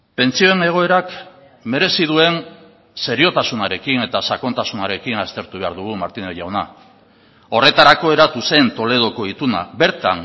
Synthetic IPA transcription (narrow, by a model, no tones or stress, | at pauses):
pe̞nt͡sio̞ene̞ɣ̞o̞e̞ɾak | me̞ɾe̞sið̞ue̞n | se̞ɾio̞t̪asunaɾe̞kine̞t̪asako̞nt̪asunaɾe̞kinast̪e̞ɾt̪uβe̞aɾðuɣumaɾt̪ineʝawna | o̞re̞t̪aɾako̞e̞ɾat̪use̞nt̪o̞le̞ð̞o̞ko̞it̪una̰be̞ɾt̪a̰n